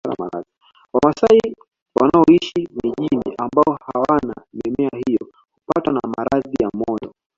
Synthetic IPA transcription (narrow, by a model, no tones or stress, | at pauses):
la̰maɾa̰ði | wamasai | wanaɔiʃimiʄinḭʔambaɔhawana̰mɛmɛahijɔ | hupatwanamaɾaðijamɔndɔ